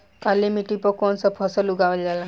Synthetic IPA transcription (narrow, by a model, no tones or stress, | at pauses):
kalimiʈipɔkɔnsəpʰɔsəluɡaʋəld͡zala